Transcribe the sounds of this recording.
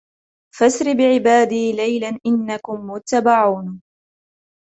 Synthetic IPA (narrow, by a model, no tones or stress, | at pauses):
fasɾɪbɪʕɪbaːd̪iːlajlanʔɪnːakʊmːʊt̪ːabaʕuːn